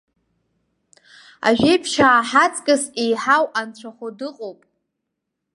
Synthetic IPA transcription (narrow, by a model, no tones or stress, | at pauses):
a̰ʒᶣejpʰʃaːħat͡sʼkʼɨsejħawant͡ɕʷʰaχʷodɨqʼowpʼ